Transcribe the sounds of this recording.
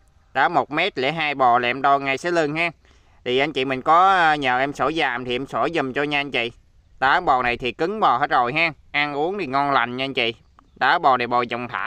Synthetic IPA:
ɗaː˨˦˥mo˨˩t̚mɛ˦˥t̚lḛ˧˥˦ɦaː˧jɓɔ˨˩lɛ̰˨˧˨mɗo˧ŋa˧jsɛ̰˨˧˥lɨ˧˩nhaː˧ | t̪ʰi˨˩ʔa˧jŋ̟t͡ɕḭ˧˨mï˨˩ŋ̟kɔ˨˦˧ɲəː˨˩ʔɛ˧mso˧˩˦zaː˨˩mt̪ʰi˨˩ʔɛ˧mso˧˩˦zə˨˩mt͡ɕɔ˧ɲaː˧ʔa˧ŋ̟t͡ɕḭ˧˨ | ɗaː˨˦ɓɔ˨˩na˨˩jt̪ʰi˨˩kɨ˨˦ŋɓɔ˨˩ɦe˦˥t̚zo˨˩jɦaː˧ | ʔaː˧ŋʔu˨˦əŋt̪i˨˩ŋɔ˧nla˨˩jŋ̟ɲa˧ŋ̟t͡ɕḭ˧˨ | ɗaː˨˦ɓɔ˨˩ɗe˨˩ɓɔ˨˩zə˨˩wŋ͡mt̪ʰa̰ː˧˥

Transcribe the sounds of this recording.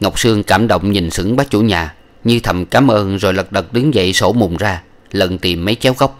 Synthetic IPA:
ŋə˨˩wk͡p̚sɨ˧əŋkaː˧˩mɗo̰˧˨wŋ͡mɲi˨˩nsɨ˧˥ŋɓaː˨˦˥t͡ɕu˧˩ɲaː˨˩ | ɲɨ˧t̪ʰə˨˩mkaː˨˦mʔəː˧nzo˨˩jlə˨˩t̚ɗə˨˩t̚ɗɨ˨˦ŋzə̰˧˨jso˧˩mu˨˩ŋ͡mzaː˧ | lə˨˩nt̪i˨˩mːə˨˦jt͡ɕɛ˨˦wɣə˦˥wk͡p̚

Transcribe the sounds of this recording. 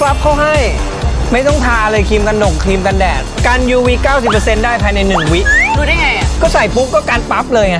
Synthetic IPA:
pa˦˥p̚kʰa˥˩wɦa˥˩j | ma˥˩jt̪ɔ˥˩ŋt̪ʰaː˧ʔa˧lɤː˧jkʰiː˧mka˧nːo˨˩ŋkʰiː˧mka˧ndɛː˨˩k̪̚kaː˧njuː˧wiː˦˧˥kaː˥˩wsi˨˩pːɤ˧se˧ndaː˥˩jpʰaː˧jna˧jnɯ˨˩ŋwi˦˥ʔduː˧naː˥˩jŋa˧˩ja˧kɔː˥˩sa˨˩jpu˦˥k̚ːɔː˥˩kaː˧npa˦˥p̚lɤː˧jŋa˧˥˩

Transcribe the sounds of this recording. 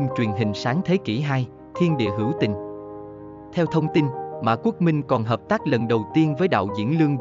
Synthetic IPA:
mt͡ɕwi˨˩ənɦï˨˩ŋ̟saː˨˦ŋt̪ʰe˨˦ki˧˩ɦaː˧j | t̪ʰi˧ənɗḭ˧˨əɦɨ˧˩əwt̪ï˨˩ŋ̟ | t̪ʰɛ˧wt̪ʰə˧wŋ͡mt̪i˧nma̰ː˨˩ku˦˥ək̚mï˧ŋ̟kɔ˨˩nɦəː˨˩p̚t̪aː˦˥k̚lə˨˩nɗə˨˩wt̪i˧ənvəː˨˦jɗa̰ː˧˨wzḭ˧˥ənlɨ˧əŋ

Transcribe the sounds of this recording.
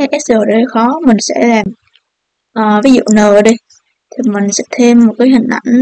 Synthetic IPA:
ʔɛ˦˥s̚zəː˨˩ɗə˧˩xɔ˨˦mï˨˩ŋ̟sɛ̰˧˥laː˨˩m | ʔəː˨˩vi˨˦zṵ˧˨nəː˧˨˩ɗi˧˩j | t̪ʰi˨˩mï˨˩ŋ̟sɛ̰˧˥t̪ʰe˧mːo˨˩kaː˨˦jɦï˨˩ŋ̟ʔa˧˩jŋ̟

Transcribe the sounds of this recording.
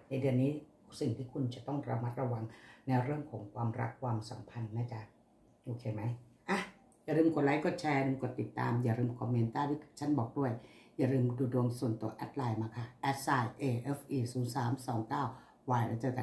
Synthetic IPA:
na˧jdɯ˧ənːiː˦˥˩ | k̚si˨˩ŋt̪ʰiː˥˩kʰu˧nt͡ɕa˨˩t̪ɔ˥˩ŋɾa̰˧ma˦˥t̪̚ɾa˧wa˧ŋna˧jɾɯ˥˩əmkʰɔː˩˦ŋkʰwaː˧mɾa̰˦˥kʰːwaː˧msa˨˩˦mpʰa˧nːaː˥˩t͡ɕa˧˩ʔ | ʔoː˧kʰeː˧ma˦˥jʔa˧˩ | jaː˨˩ɾɯː˧mkʰo˨˩t̪̚la˦˥jko˨˩t̪̚t͡ɕʰɛː˧a˧ɾɯː˧mko˨˩t̪ːi˨˩t̪ːa̰ː˧mjaː˨˩ɾɯː˧mkʰɔː˧mːeː˧nt̪aː˥˩t̪ʰiː˥˩t͡ɕʰa˦˥nbɔː˨˩k̚du˥˩əjjaː˨˩ɾɯː˧mduː˧du˧əŋsu˨˩ənt̪u˨˧˩əʔɛ̰˦˥t̪̚laː˧jmaː˧kʰa˥˩ʔɛ˦˥t̪̚saː˧˩jʔeː˧ʔeː˦˥fʔiː˧˩suː˩˦nsaː˩˦msɔː˩˦ŋkaː˥˩w | waː˧jla̰˦˧˥t͡ɕɤː˧ka˧˨

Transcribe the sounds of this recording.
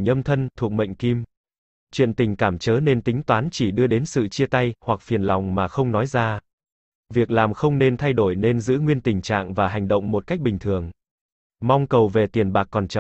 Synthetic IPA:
ɲə˧mt̪ʰə˧nt̪ʰu˨˩ək̚ɓə̰˧˨jŋ̟ki˧m | t͡ɕwḭ˧˨ənt̪ï˨˩ŋ̟kaː˧˩mt͡ɕəː˨˦ne˧nt̪ï˨˦ŋ̟t̪waː˨˦nt͡ɕi˧˩ɗɨ˧əɗe˨˦nsɨ̰˧˨t͡ɕi˧ət̪a˧jhwa˨˩k̚fi˨˩ənlɔ˨˩wŋ͡mmaː˨˩xə˧wŋ͡mnɔ˨˦jzaː˧ | vi˨˩ək̚laː˨˩mxə˧wŋ͡mne˧nt̪ʰa˧jɗo˧˩jne˧nzɨ̰˧˥ŋwi˧ənt̪ï˨˩ŋ̟t͡ɕa̰ː˧˨ŋvaː˨˩ɦa˨˩jŋ̟ɗə̰˧˨wŋ͡mmo˨˩t̚ka˦˥k̟̚ɓï˨˩ŋ̟t̪ʰɨ˨˩əŋ | ma˧wŋ͡mkə˨˩wve˨˩t̪i˨˩ənɓaː˨˩kːɔ˨˩nt͡ɕə˧˨

